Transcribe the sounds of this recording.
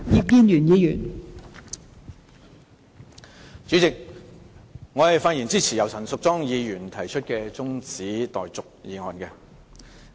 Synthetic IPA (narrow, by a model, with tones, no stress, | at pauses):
jiː˨˧p̚kiː˧njyː˨˩njiː˨˧jy̰ː˨˩n | t͡syː˨˥t͡sɪ˨k̚ | ŋɔː˨˧hɐ˨jfaː˧t̚jiː˨˩nt͡siː˥t͡sʰi˨˩jɐ˨wsɐ˨˩nsʊ˨k̚t͡sɔː˥ŋjiː˨˧jyː˨˩nt̪ʰɐ˨˩jt͡ʃʰɵ˥t̚kɛː˧t͡sʊ˥ŋt͡siː˨˥t̪ɔː˨jt͡sʊ˨k̚jiː˨˧ŋɔː˨nkɛː˧